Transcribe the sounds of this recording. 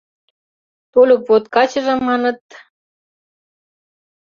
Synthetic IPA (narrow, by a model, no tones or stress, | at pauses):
t̪olʲupvot̪kɑt͡ɕə̆ʒɤ̆mːɑnɤ̆t̪